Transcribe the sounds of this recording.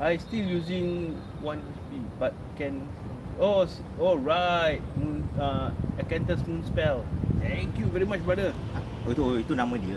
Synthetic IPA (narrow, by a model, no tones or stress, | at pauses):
ajstiljuzĩŋ | wãnɛt͡ʃbibat̚kɛ̃n | os | ɔlɹaɪt̚mũnaəkɛ̃ntəsmũnspɛlt̪ʰɛ̃ŋkjuvɛɹimat͡ʃbɹadə | a | oit̪unãmə̃diəl